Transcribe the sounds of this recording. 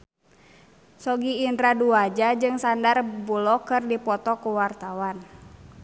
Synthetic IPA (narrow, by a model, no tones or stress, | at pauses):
sɔɡiːnd̪ɾaduad͡ʒad͡ʒɨŋsandarbulɔkɨrdipɔt̪ɔkuwart̪awan